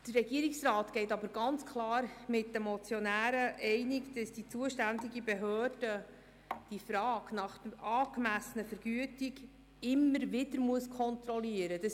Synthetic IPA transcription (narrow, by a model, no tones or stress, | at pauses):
d̥ərrɛɡiːəɾiksrɑːtɡ̥ɛɪtɑbəɾɡɑnt͡skʰlɑːɾmɪt̚dəmɔt͡sjɔnæːɾəʔɛɪnɪkd̥ɑsd̥it͡suəʃtændɪɡibɛɦøːrd̥ə | d̥ifɾɑːɡ̥nɑχɑːɡ̥mæsənəfəɾɡ̥yətiɡ | ɪmːəɾʋɪdəɾmuəskʰɔnt̪ɾɔliəɾəd̥ɑs